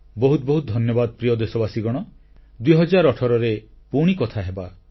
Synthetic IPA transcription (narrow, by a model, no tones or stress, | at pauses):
bɔɦut̪̚bɔɦut̪̚d̪ʱɔnjɔbad̪ɔpɾijɔd̪esɔbasiɡɔɽ̃ɔ | d̪uiɦɔd͡ʒaɾɔʈʰɔɾɔɾe | puɽ̃ikɔt̪ʰaɦeba